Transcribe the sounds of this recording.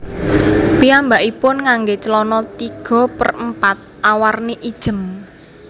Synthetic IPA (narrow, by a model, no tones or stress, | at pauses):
piambaʔipʊnŋaŋɡet͡ʃəlɔnɔt̪iɡ̥ɔ̤pə̰rəmpat̪̚ʔawarniʔid̥ʒ̥ə̤m